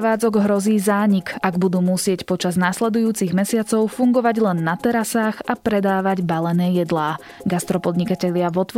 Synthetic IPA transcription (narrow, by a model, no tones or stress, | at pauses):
ʋaːd͡zɔɡɦɾɔziːzaːɲikaɡbud̪uːmusɪɛcpɔt͡ʃaznaːslɛd̪ujuːt͡siɣmɛsɪat͡sɔʊfuŋɡɔʋaɟlɛnːat̪ɛɾasaɣapɾɛd̪aːʋaɟbalɛnɛːjɛd̪laː | ɡast̪ɾɔpɔd̪ɲikacɛʎɪaʋɔt̪ʋ